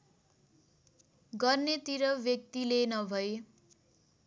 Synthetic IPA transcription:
ɡʌrnet̪iɾʌbjʌk̚t̪ilenʌbʱʌe

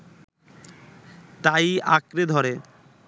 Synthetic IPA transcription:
t̪ajakɾed̪ʱɔɾe

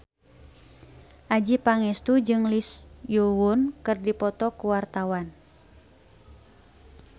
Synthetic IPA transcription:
ʔad͡ʒipaŋɛst̪ud͡ʒɨŋlisjuwʊnkɨrdipɔt̪ɔkuwart̪awan

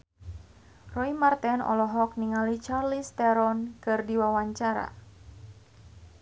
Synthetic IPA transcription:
rɔimart̪ɛnɔ̰lɔɦɔk̚niŋalit͡ʃarlist̪ɛɾɔnkɨrdiwawaɲt͡ʃaɾa̰

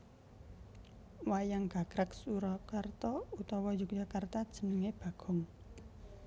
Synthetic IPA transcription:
wajaŋɡ̥a̤ɡ̥ɾaksuɾɔkart̪ɔut̪ɔwɔjuk̚d͡ʒ̥a̤kart̪ad̥ʒ̥ə̤nəŋeb̥a̤ɡ̥ɔ̤ŋ

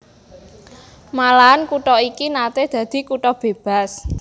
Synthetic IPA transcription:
malaankuʈɔikinat̪ed̪̥ä̤d̪̥i̤kuʈɔb̥e̤b̥a̤s

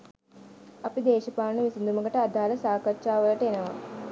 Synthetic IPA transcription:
ɐpid̪eːʃɐpaːɳəʋisind̪uməɡəʈəad̪ʱaːləsaːkɐt͡ʃaːʋələʈəenəʋa̰

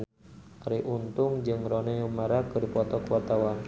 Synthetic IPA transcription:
aɾiʔunt̪ʊŋd͡ʒɨŋɾonɛumaɾakɨdipɔt̪ɔkwat̪awan

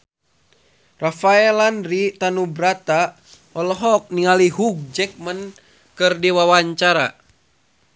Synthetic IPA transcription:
rafaɛlanrit̪anubɾat̪a | ɔlɔɦɔk̚niŋaliɦuɡ̚d͡ʒɛk̚mən | kɨrdiwawaɲt͡ʃaɾa

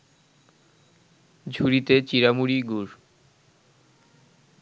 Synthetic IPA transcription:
d͡ʑʱuɾit̪et͡ɕiɾamuɾiɡuɾ

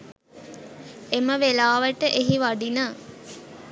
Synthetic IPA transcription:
eməʋelaːʋəʈəʔeɦiʋaɖinə

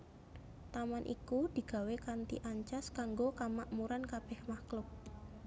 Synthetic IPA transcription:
t̪amanʔḭkud̪̥i̤ɡ̥ä̤wekant̪ḭʔaɲt͡ʃaskaŋɡokamaʔmuɾankab̥ɛhmaklʊp̚

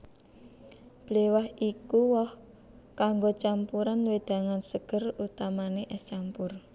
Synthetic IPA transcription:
b̥lewahʔikuwɔh | kaŋɡot͡ʃampuɾanwed̪̥a̤ŋansəɡ̥ərut̪amaneʔɛst͡ʃampʊr

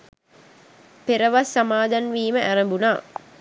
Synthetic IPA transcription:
peɾəʋasːamaːd̪anʋiːməʔæɾəmbunaː

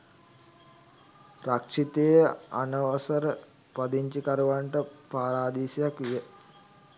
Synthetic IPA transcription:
rakʂit̪ejəa̰nəʋasəɾə | pad̪iɲt͡ʃikaɾuʋaɳʈəpaːɾaːd̪iːsijakʋijə

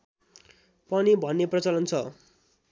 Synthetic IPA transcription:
pʌnibʱʌnːeprʌt͡sʌlʌnt͡sʰʌ

